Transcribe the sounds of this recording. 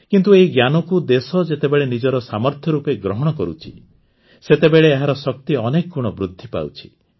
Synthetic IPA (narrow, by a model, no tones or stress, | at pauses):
kint̪̬ueɦiɡjanɔkud̪esɔd͡ʒet̪ebeɭenid͡ʒɔɾɔsamɔɾt̪ʰjɔɾupeɡɾɔɦɔɽ̃ɔkɔɾut͡ʃʰḭ | set̪ebeɭeːɦaɾɔsɔk̚t̪iɔnekɔkuɽ̃ɔbɾud̪ʱːipa̰wt͡ʃʰi̥